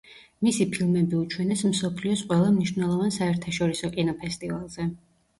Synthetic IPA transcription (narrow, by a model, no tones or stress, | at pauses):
misipʰilˠmɛbiut͡ʃʰwɛnɛsmsɔpʰliɔsqʼwɛlˠamniʃvnɛlˠɔvansaɛɾt̪ʰaʃɔɾisɔkʼinɔpʰɛst̪ʼivalˠz̥ɛ